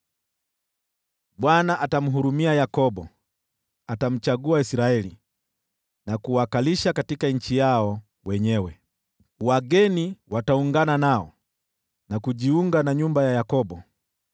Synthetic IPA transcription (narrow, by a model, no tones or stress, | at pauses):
ɓwanaʔatam̩ɦuɾumiajakɔbɔ | atam̩t͡ʃaɡuaisiɾaɛli | nakuwakaliʃakatikaɲ̩t͡ʃijaɔ | wɛɲɛwɛ | waɡɛniwatauŋɡananaɔ | nakuʄiuŋɡanaɲumbajajakɔbɔ